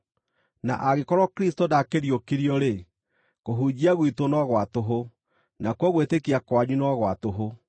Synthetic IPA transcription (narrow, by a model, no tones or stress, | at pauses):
na̰ʔaɣekɔɾɔkɾistodakeɾjokiɾiɔɾe | koɦud͡ʑiaɣwitonɔɣwatoɦo | nakwɔɣwetekiakwaɲunɔɣwatoɦo